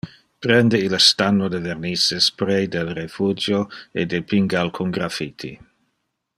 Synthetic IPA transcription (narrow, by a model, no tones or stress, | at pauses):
pɾɛnd̪eilst̪anːod̪evernisespɾejd̪ɛlrefud͡ʒjoed̪epiŋɡalkʰuŋɡɾafit̪ʰi